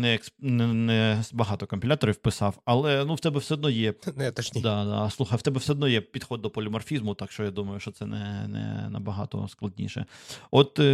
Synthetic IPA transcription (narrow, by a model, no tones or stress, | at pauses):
nɛjɐksnɛnɛbɐɦɑt̪ɔkɔmʲpʲilʲat̪ɔɾʲiwpɪsɑwɐlˠɛnuwt̪ɛbɛwsɛɔd̪nɔjɛnɛt̪ɐt͡ʃnʲid̪ad̪a̰slˠuxɐjwt̪ɛbɛwsɛɔd̪nɔjɛpʲid̪xɔd̪̚ːɔpɔlʲimɐrfʲizmʊt̪ɑkʃt͡ʃɔjad̪umɐjʊʃt͡ʃɔt̪sɛnɛ̰nɛ̰nɐ̰bɐɦɑ̰t̪ɔ̰sklˠɐdʲnʲḭʃɛ̰ɔt̪